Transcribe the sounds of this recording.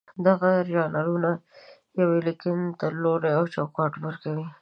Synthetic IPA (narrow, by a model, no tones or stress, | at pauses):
d̪aɣaɾijɑnalunajawelekɪnt̪aloɾeawt͡ʃɑwkɑʈwəɾkawi